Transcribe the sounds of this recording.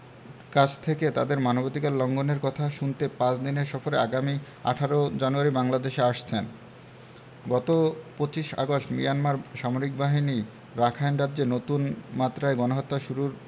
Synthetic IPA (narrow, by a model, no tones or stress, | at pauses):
kat͡ɕʰt̪ʰeket̪ad̪eɾmanobot̪ikallɔŋɡoneɾkɔt̪ʰaʃunt̪epãt͡ɕʰd̪ineɾʃɔfoɾeaɡami | a̰ʈʰaɾod͡ʑanuaɾibaŋlad̪eʃeaʃt͡ɕʰen | ɡɔt̪opot͡ɕiʃa̰ɡoʃmijanmaɾʃamoɾik̚baɦini | ɾakʰajnɾad̪ːd͡ʑenot̪unmat̪ːɾaeɡɔnoɦɔt̪ːaʃuɾuɾ